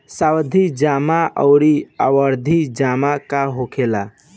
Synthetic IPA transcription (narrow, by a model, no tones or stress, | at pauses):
sawd̪ʱid͡ʒamaʔəʊɾiawəɾd̪ʱid͡ʒamakaɦokʰela